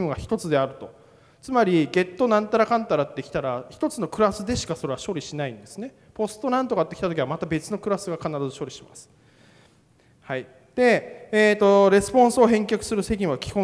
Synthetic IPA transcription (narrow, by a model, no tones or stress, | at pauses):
mɯɡaçi̥t̪o̞t͡sɨd̪e̞aɾɯ̟t̪o̞ | t͡sɨmaɾʲiɡe̞t̪ːo̞nãnt̪aɾakãnt̪aɾat̪ːekʲi̥t̪aɾaçi̥t̪o̞t͡sɨno̞kɯ̟ɾasɨd̪e̞ɕi̥kaso̞ɾe̞βaɕo̞ɾʲiɕinaĩnd̪e̞sɨne̞ | po̞sɨ̥t̪o̞nãnt̪o̞kat̪ːekʲi̥t̪at̪o̞kʲiβamat̪abe̞t͡sɨno̞kɯ̟ɾasɨɡakanaɾazɨɕo̞ɾʲiɕimasɨ̥ | hai | d̪̥e̞eːt̪ːo̞ɾe̞sɨ̥põ̞ɰ̃sːɦẽ̞ŋkʲakɯ̟̥sɨɾɯ̟se̞ɡʲĩɰ̃βakʲi̥kõ̞